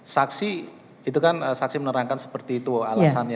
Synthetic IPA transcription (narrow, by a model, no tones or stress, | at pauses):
saksi | it̪ukanəsaksimənəɾaŋkansə̥pərt̪iːt̪uɔalasanja